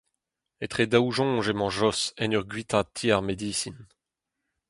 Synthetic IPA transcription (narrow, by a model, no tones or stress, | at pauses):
et̪χed̪auʒɔ̃ːʒemɑ̃ʒɔsɛnyʁɡɥit̪ʰat̪ʰːiaʁmed̪iːsin